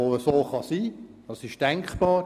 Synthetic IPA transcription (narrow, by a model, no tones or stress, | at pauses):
oːəsoːχɑsiːd̥ɑsɪʃd̥ɛŋkχb̥ɑː